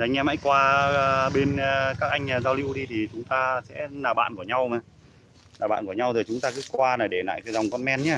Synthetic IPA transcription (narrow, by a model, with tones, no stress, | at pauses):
ŋ̟ʔɛ˧mha̰ː˧˥jkwaː˧ɓe˧nː˧kaː˦˥k̚ʔa˧jŋ̟ː˨˩zaː˧wli˧wɗi˧t̪ʰi˨˩t͡ɕʊ˨˦ŋ͡mt̪aː˧sɛ̰˧˥naː˨˩ɓa̰ː˧˨nku˧˩əɲa˧wma˨˩ | naː˨˩ɓa̰ː˧˨nku˧˩əɲa˧wt̪ʰi˨˩t͡ɕʊ˨˦ŋ͡mt̪aː˧kɨ̰˧˦˥kwaː˧naː˨˩jɗe˧˩la̰ː˧˨jkə˧˩za˨˩wŋ͡mkɔ˧nmɛ˧nɲaː˧˦˩